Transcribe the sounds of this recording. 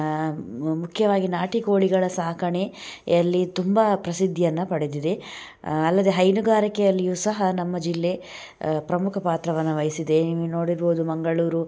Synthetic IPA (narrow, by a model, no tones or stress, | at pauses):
mukʰjɐʋaːɡinaːʈikoːɭiɡɐɭɐsaːkʰɐɳeɐlːit̪umbɐpɾɐsid̪ʱːijɐnːɐpɐɽed̪id̪e̞ | ɐlːɐd̪e̞ɦɐjnuɡaːɾikɛjɐlːijuːsɐɦɐnɐmːɐd͡ʒilːe̞ | pɾɐmukʰɐpaːt̪ɾɐʋɐnːɐʋɐjisid̪e̞nino̞ːɽiɾboːd̪umɐŋɡɐɭuːɾu